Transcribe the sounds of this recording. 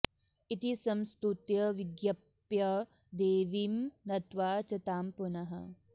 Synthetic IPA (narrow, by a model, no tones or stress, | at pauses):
it̪isɐmst̪ɾut̪jɐʋiɡjɐp | jɐ | d̪eːʋimnɐt̪ʋaːt͡ʃɐt̪aːmpunɐɦɐ̰